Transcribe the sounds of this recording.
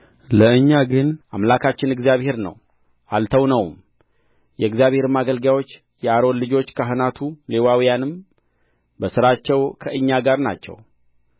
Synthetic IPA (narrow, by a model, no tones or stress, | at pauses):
ləɨɲːaɡɨnʔamlakʰat͡ʃːɪnɨɡzijaβhe̞ɾnə̰w | ʔalt̪ʰəwnəwm | jɛɨɡzijaβhe̞ɾɨmːaɡəlɡjawo̞t͡ʃː | jɛaɾo̞nlɨd͡ʒo̞t͡ʃːkʰaɦɨnat̪ʰule̞wawijanɨm | bəsɨɾat͡ʃːɛwkʰəʔɨɲːaɡaɾna̰t͡ʃːɛ̰w